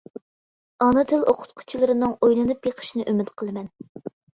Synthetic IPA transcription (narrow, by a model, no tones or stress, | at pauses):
ɑnɨt̪ʰɪlˠoqʰʊ̥t̪̚qʰʊ̥t͡ʃʰilˠɨɾɨnɨŋojlˠɨnɨpjeqʰə̥ʃinɨʔymɪt̪qʰəlˠɨmɛn